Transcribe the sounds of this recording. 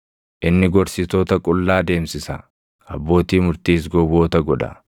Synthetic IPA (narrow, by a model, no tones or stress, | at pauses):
ʔɪnːɪɡɔɾsɪt̪oːt̪ɐkʼʊlːaːd̪e̞ːmsɪsɐ | ʔɐbːo̞ːt̪iːmʊɾt̪iːs̬ɡɔwo̞ːt̪ɐɡɔᶑɐ̰